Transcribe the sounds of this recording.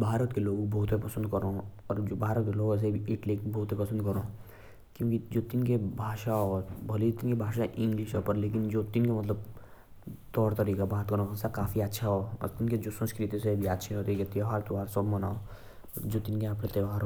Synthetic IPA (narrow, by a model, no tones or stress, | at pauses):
bʱaːɾət̪keloːɡbɔːt̪epɐsə̃nd̪kəɾoɔːɾd͡ʒoːbʱaːɾət̪̚keloːɡõs̬ebʱiɪʈlikbɔːt̪epɐsə̃nd̪kɐɾoː | kjõːkid͡ʒoːt̪ɪnkebʱaːʃaɦɔɾbʱɐlit̪ɪnkebʱaːʃaʔɪ̃ŋɡlɪʃopəɾleːkɪnd͡ʒoːt̪ɪnkemɐt̪ləb̚ | t̪ɔːɾt̪ɐɾiːkabaːt̪kəɾoɐsakaːfiɐtːʃʰaɦoɔ̰ɾt̪ɪnked͡ʒoːsɐ̃nskɾit̪isebʱiɐtːʃʰeɦoːt̪iket̪ioɦəɾt̪oɦɐɾsəbmɐna̰ːo | d͡ʒoːt̪ɪnkeapnet̪eːʋaːɾɦo